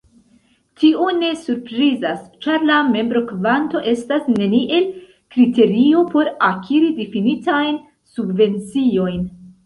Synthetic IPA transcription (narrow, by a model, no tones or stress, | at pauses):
tione̞suɾpɾizast͡ʃaɾlame̞mbɾo̞kvanto̞ʔe̞stasne̞niʔe̞l | kɾite̞ɾio̞po̞ɾakʰiɾidifinitajn | subve̞nt͡sio̞jn